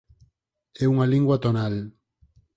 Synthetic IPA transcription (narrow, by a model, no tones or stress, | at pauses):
euŋalĩŋɡwat̪onal